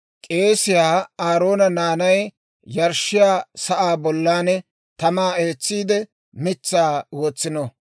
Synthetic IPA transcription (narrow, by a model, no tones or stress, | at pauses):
kʼe̞ːsɪjaːaːɾo̞ːnɐnaːnɐj | jɐɾʃːɪjaːsɐʔaːbɔlːaːnɛ | t̪ɐmaːeːt͡sːiːd̪ɛ | mɪt͡sːaːwoːt͡sːɪnɔ